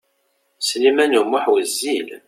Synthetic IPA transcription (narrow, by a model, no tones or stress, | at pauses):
slimænumʊħwəzːil